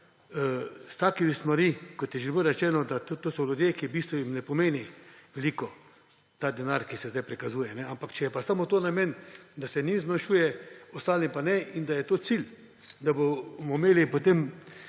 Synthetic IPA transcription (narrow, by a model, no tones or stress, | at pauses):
st̪aːkimist̪maɾikɔt̪jɛʒɛlbəɾɛt͡ʃɛːnɔd̪at̪t̪oːsɔlʲud̪jekibiːst̪ʋɔjimnɛpomeːniʋɛliːkɔ | t̪ad̪ɛnaɾkisɛzd̪ajpɾikazuːjɛnɛampakt͡ʃɛjɛpasamot̪oːnamɛnd̪asɛnizmanʃuːjɛɔst̪aːlimpanɛʔind̪ajɛt̪oːsilʲ | d̪abomɔmeːlipot̪em